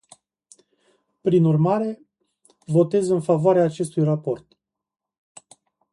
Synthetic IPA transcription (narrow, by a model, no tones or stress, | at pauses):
pɾinurmaɾe̞ | vo̞t̪e̞zɨnfavoaɾeaːt͡ʃe̞st̪ujrapo̞rt̪